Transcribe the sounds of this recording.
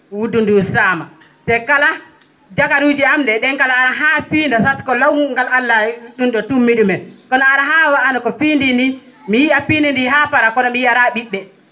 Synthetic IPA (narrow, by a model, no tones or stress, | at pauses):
wudundusaːma | tɛkala | d͡ʒakaɾud͡ʒiamdɛɗɛnkalaːɾaɦafiːndasatkɔlawŋɡalalːauɗundɔtumːiɗumɛkɔnɔaɾaɦawaʔanakɔfindindi | mijiʔafiːndindiɦafaɾakɔnɔmijiʔaɾaɓiɓːɛ